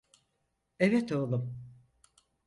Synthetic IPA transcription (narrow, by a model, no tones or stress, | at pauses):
evɛt̪ʰolˠum